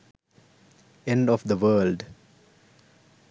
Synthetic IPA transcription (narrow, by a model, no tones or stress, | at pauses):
ẽɳɖɔfd̪əʋəːlɖ